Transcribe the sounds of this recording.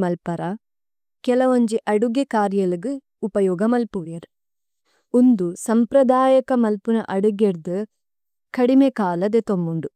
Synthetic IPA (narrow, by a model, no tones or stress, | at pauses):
mɐlpɐɾɐ | kɛlɐʋɐɲd͡ʒiʔɐɽuɡekaːɾjɐlɐɡɯ | upɐjɔːɡɐmɐlpuʋjɐɾ | und̪usɐmpɾɐd̪aːjɐkɐmɐlpunɐ̰ʔɐɽuɡeɾd̪ɨ | kɐɽimekaːlɐd̪et̪omːuɳɖu